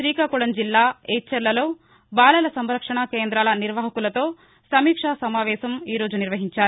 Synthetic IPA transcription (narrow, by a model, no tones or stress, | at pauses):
ɾiːkaːkuɽɐnd͡ʒilːaːɛːt͡ʃːɐɾlɐlo̞ː | baːlɐlɐsɐmɾɐkʂɐɳakeːnd̪ɾaːlɐniɾʋɐːɦɐkulɐt̪o̞ː | sɐmiːkʂaːsɐmaːʋɛːʃɐmiːɾo̞ːd͡ʒuniɾʋɐɦiɲt͡ʃaːɾu